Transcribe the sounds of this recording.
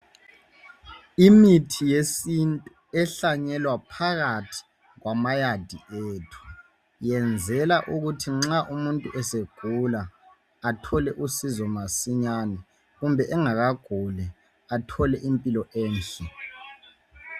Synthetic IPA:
imitʰijesintʼu | ɛɬaɲɛlwapʰaɣatʰi̥ | ɣwamajad̥ʱieːtʰu̥ | jɛnd͡zʱɛlaʔuɣutʰiŋ͡ǁaʔumuntʼuʔɛseɡ̥ʱulaː | tʰɔlɛʔusizɔmasiɲanɛ | ɣumbʱɛʔɛŋaɣaɡ̥ʱulɛ | atʰɔlɛʔimpʼilɔʔɛːnɬɛ

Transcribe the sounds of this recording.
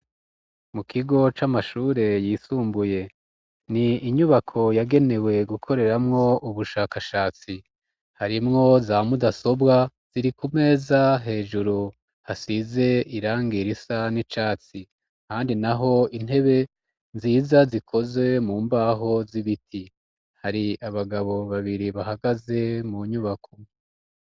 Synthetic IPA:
mukʰiɡo̞t͡ʃamaʃuːɾe̞jiːsuːmbuje̞ | niːɲuβakʰo̞jaɡe̞ne̞we̞ɡukʰo̞ɾe̞ɾamŋo̞ʔuβuʃaːkaʃaːt͡si | haɾimŋo̞zamudaso̞bɡa | z̥iɾikume̞ːzaɦe̞ːd͡ʒuɾu | hasize̞iɾaːŋɡiɾisanit͡ʃaːt͡si | kaːndinaɦo̞in̥he̞βe̞ | nziːzazikʰo̞ze̞muːmbaɦo̞ziβitʰi | haɾiaβaɡaβo̞βaβiɾiβaɦaɡaze̞muɲuβakʰo

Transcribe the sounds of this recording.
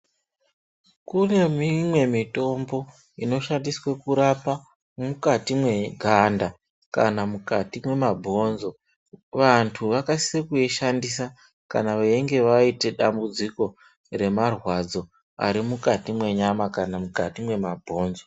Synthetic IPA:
kune̞mimwe̞mito̞mbo̞ | ino̞ʃandiswekuɾapa | mukatimwe̞ɡʱanda | kanamukatimwe̞mabʱo̞nzo̞ | ʋantʰuʋakasi̥sekueʃandis̬a | ka̰naʋaiŋɡe̞ʋaite̞ɗambud͡ziko̞ | re̞marwad͡zo̞ | a̰ɾimukatimwe̞ɲamakanamukatimwe̞mabʱo̞ːnzo̞

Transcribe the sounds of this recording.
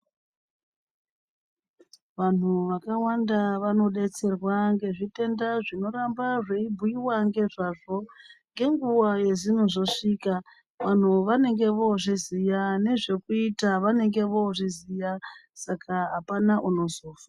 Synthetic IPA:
ʋan̤uʋakawandaʋano̞ɗe̞t͡se̞rwaŋɡe̞ʐite̞ndaʐino̞ɾambaʐe̞ibʱuiwaŋɡe̞ʐaʐo̞ŋɡe̞ŋɡuwaje̞zin̤uʐoʂiːka | ʋan̤uʋane̞ŋɡe̞ʋo̞ʐizijane̞ʐe̞kuitaʋane̞ŋɡe̞ʋo̞ʐizijasakʰaɦapanaʔuno̞zoːfḁ

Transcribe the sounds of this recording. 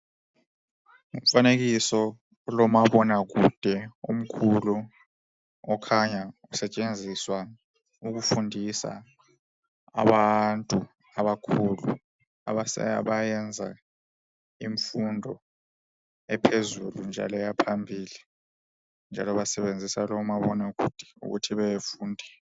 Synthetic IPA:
uɱfanek̬isɔ | lɔmaɓɔnak̬ud̥ʱɛum̩kʰulu | ɔkʰaɲausɛt͡ʃʼend͡zʱiswa | uk̬ufundʱisa̰ | a̰ɓantʼu | aβakʰulṵ | aβasa̰βajɛnd͡zʱa̰ | iɱfundʱɔ | ɛpʰezulund͡ʒʱa̰lɛjapʰambʱiːli | nd͡ʒʱalɔβasɛβend͡zʱisalɔmaβɔnakṵd̥ʱɛ̥ṵɣṵtʰiβɛjefuːndʱɛ

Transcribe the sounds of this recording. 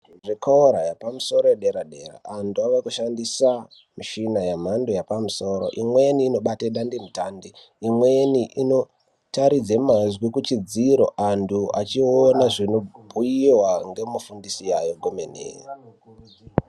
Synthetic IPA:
ʐikʰaoɾajapamuso̞ɾojeɗeɾaɗe̞ra̰ːntuaʋakuʃandisa | miʃinajam̤ando̞japamuso̞ːɾo̞̰ʔimweniːno̞ɓateɗandimutaːndi | imweniʔino̞ | taɾid͡zemazwikut͡ʃid͡ziɾo̞̰ʔandʰuat͡ʃionaʐinobʱujiwaŋɡe̞mufundisijajoɡʱomenḛːi

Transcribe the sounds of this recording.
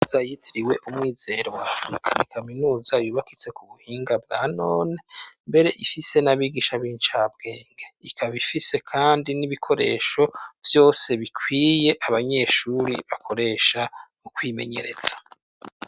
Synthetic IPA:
zajitʰiɾiwe̞ʔumŋiːze̞ɾo̞wafɾikʰanikʰaminuːzajuːβakit͡se̞kuβuhiːŋɡabɡaːno̞ːne̞mbe̞ɾe̞ʔifise̞naβiɡiʃaβiːnt͡ʃab̚ɡ̥e̞ːŋɡeikʰaβifise̞kʰaːndiniβikʰo̞ɾe̞̰ːʃo̞vjo̞ːse̞βikʰwiːje̞ʔaβaɲe̞ːʃuɾḭβakʰo̞ɾe̞ːʃa | ukwiːme̞̰ɲe̞̰ɾe̞z̥ḁ

